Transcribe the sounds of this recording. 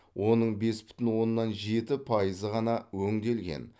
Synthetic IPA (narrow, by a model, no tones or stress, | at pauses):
wʔo̞nəɴbe̞sbʏ̥t̪ɪnwo̞nːɑnʒe̞t̪ɪpʰɑjəzəʁɑnɑwɵŋd̪e̞lɡʲe̞̰n